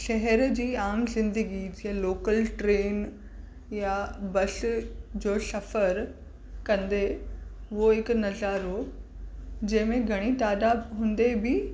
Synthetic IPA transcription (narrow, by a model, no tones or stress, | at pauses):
ʃɐɦɛɾd͡ʑiːaːmzɪ̃nd̪əɡid͡ʑɪaloːkəlʈɾeːn | jabɐsd͡ʑoːsɐfəɾ | kɐ̃nd̪eɦʊɦoɦɪknɐzaːɾɦo | d͡ʑɐ̃ɦɪ̃mẽɡʱɐɽ̃it̪aːd̪aːbɦũːnd̪ebɪ